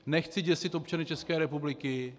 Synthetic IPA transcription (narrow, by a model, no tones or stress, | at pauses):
nɛxt͡sɪɟɛsɪt̪op̚t͡ʃanɪt͡ʃɛskɛːɾɛpublɪkɪ